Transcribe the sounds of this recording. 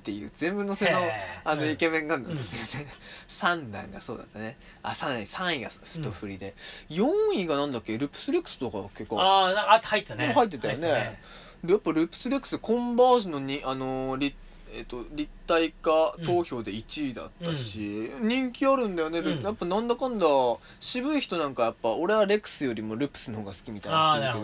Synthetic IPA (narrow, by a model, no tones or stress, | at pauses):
t̪ːe̞jɯ̟̰ːd͡zẽ̞mbɯ̟no̞senoano̞ike̞mẽ̞ŋkãnãnd̪kːenesãnd̪ã̰ŋɡaso̞̰ːd̪a̰t̪ːane | a̰sãnd̪ãɲsãɰ̃iɡassɨ̥t̪oɸɯ̟ɾʲid̪e̞jõ̞ɰ̃iɡanãnd̪akːe̞ɾɯ̟pɯ̟̥sɨɾekɯ̟̥sɨ̥t̪okake̞kːo̰ahait̪ːhait̪ːet̪ajone̞ | ɾjapːaɾɯ̟pɯ̟̥sɨɾe̞kɯ̟sɨkʰõ̞mbaːɕino̞ɲ̟ĩano̞ɾʲi | et̪o̞ɾʲit̪ːaikat̪o̞ːço̞ːd̪e̞it͡ɕiːd̪a̰t̪ːaɕiɲ̟ĩŋkʲiaɾɯ̟̃nd̪ajo̞ne̞ɾjapːanãnd̪akãnd̪a | ɕibɯ̟içʲi̥t̪onãŋkajapːao̞ɾe̞βaɾe̞kɯ̟̥sɨjo̞ɾʲimo̞ɾɯ̟pːɯ̥sɨnohoːɡasɨ̥kʲimʲit̪aḭjnake